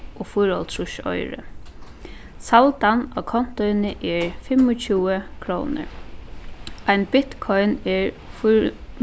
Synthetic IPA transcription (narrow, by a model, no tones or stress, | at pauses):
ɔːfʊjɾɔlt̪ʰɾʊʃɔ̰jɾə̰ | salt̪ana̰kʰɔn̥t̪ɔjnɪʔɛɹfɪmɔt͡ʃʰuːəkʰɾoːnə̰ɹ | ajnbɪt̪kʰɔjnɛɹ | fʊ